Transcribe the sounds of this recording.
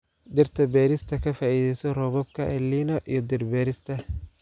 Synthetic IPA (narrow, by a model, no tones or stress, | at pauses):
d̪ɪrt̪ʰɐbɛːɾɪst̪ʰɐkʰɐfaːiːðɛjsɔrɔːβɔb̚kʰɐʔɛliːnɔʔijɞd̪ɪrbɛːɾɪst̪ʰɐ